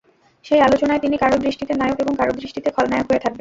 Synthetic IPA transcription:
ʃejalot͡ɕonaet̪inikaɾod̪ɾiʃʈit̪enajokeboŋkaɾod̪ɾiʃʈit̪ekʰɔlnajokɦoet̪ʰak̚ben

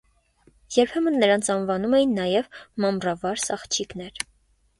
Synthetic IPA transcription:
jɛɾpʰɛmənːəɾɑnt͡sʰɑnvɑnumɛjinːɑjɛvmɑmrɑvɑɾsɑχt͡ʃʰiknɛɾ

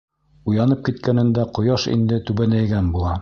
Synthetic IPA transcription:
ujɑnɤp̚kit̪kænɘ̆nd̪æqŏjɑʃḭnd̪ɘt̪ʉβænæjɡænbulˠɑ

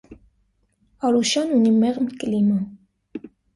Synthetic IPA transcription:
ɑɾuʃjɑnunimɛʁmkəlinum

